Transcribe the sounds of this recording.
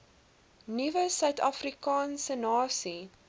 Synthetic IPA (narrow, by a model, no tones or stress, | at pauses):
nivəsœɥtɑfrikɑːnsənɑːsi